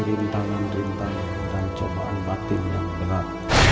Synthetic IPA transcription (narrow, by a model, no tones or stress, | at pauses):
ɾint̪aŋanɾint̪aŋanəɾaɲt͡ʃamaʔa̰nbat̪ɪŋjaŋbənat̪̚